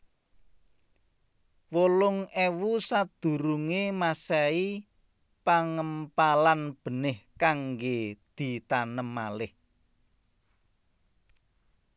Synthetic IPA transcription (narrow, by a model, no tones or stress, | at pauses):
wolʊŋɛwusad̪̥ṳɾuŋemasɛi | paŋəmpalanb̥ə̤nɪhkaŋɡed̪̥i̤t̪anəmːalɪh